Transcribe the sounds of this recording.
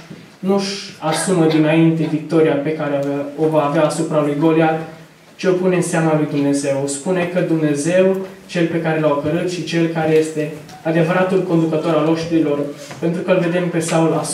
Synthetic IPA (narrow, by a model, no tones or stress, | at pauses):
nuʃasuməd̪inaint̪e̞vik̚t̪o̞ɾiape̞kaɾeovaːveaːsupɾalujɡo̞lia | t͡ʃeo̞pune̞seamalujd̪umne̞ze̞wspune̞kəd̪umne̞ze̞w | t͡ʃe̞lpe̞kaɾe̞lawpəɾut̪ʃit͡ʃe̞lkaɾe̞je̞st̪e̞ | ad̪e̞vəɾat̪ulko̞nd̪ukət̪o̞ɾalo̞ʃt̪uɾilo̞rpe̞nt̪ɾukəlve̞d̪e̞mpe̞saula